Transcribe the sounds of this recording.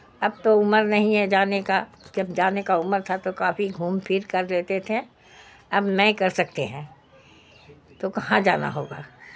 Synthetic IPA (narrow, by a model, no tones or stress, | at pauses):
ɐb̚t̪oʊməɾnɐɦĩɦɛd͡ʒaːneka | d͡ʒɐbd͡ʒaːnekaʊməɾt̪ʰat̪okaːfiɡʱuːmpʰiːɾkɐɾleːt̪et̪ʰe | ɐbmɛ̃kɐɾsɐk̚t̪eɦɛ̃ː | t̪okɐɦãd͡ʒa̰ːna̰ɦoːɡaː